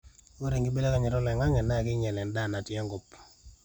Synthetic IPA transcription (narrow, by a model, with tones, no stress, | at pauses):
o˦ɾe˨ŋɡi˦be˦le˦ka˨ɲɪ˨ɾɔ˦lɛ˨ŋa˦ŋɛ˨na˦˨kɪ˦ɲɛ˨lɛ˨nda˦˨na˨tjɛ˦ŋɡo˨p